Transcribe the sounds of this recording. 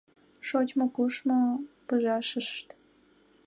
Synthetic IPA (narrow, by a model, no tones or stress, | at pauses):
ʃot͡ɕmŏkuʃmopɨʒɑʃə̆ʃt̪